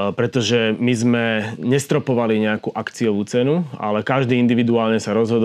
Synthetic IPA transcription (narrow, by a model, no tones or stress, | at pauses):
pɾɛt̪ɔʒɛmizmɛɲɛst̪ɾɔpɔʋaliɲɛakuːʔakt͡sijɔʋuːt͡sɛnua̰lɛkaʒd̪iːind̪iʋid̪uaːlɲɛsaɾɔzɦɔd̪